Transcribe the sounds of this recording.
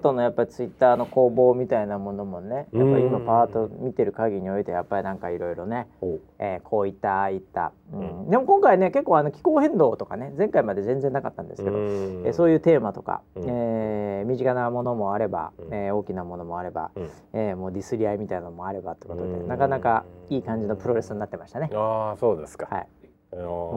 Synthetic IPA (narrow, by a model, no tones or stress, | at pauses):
t̪o̞no̞japːaɾʲit͡sɨit̪ːaːno̞ko̞ːbo̞ːmʲit̪ainamo̞no̞mo̞ne̞japːaimːopat̪o̞mʲit̪e̞ɾɯ̟kaɡʲiɲ̟io̞it̪e̞japːaɾʲinãŋkaiɾo̞iɾo̞ne̞ | eːkʰo̞ːit̪ːait̪ːa̰ | ɯ̟̃ɴd̪e̞mo̞kõ̞ŋkaine̞ke̞kːoːano̞kʲi̥ko̞ːhẽ̞nd̪o̞ːt̪o̞kane̞zẽ̞ŋkaimad̪e̞zẽ̞nd͡zenːakat̪ːãnd̪esɨ̥ke̞d̪oḛso̞ːjɯ̟ːt̪e̞ːmat̪o̞ka̰eːmʲiʑikanamo̞no̞mo̞aɾe̞ba̰eo̞ːkʲinamo̞no̞mo̞aɾe̞ba̰ | eːmo̞ːɾʲisɨɾʲiaimʲit̪ainanomo̞aɾe̞bat̪ːe̥kot̪od̪e̞̰nakanakaiːkãɲ̟d͡ʑino̞pɯ̟ɾo̞ɾe̞sɨɲiːat̪ːe̞maɕi̥t̪ane̞asoːd̪esɨ̥kaha̰ḭ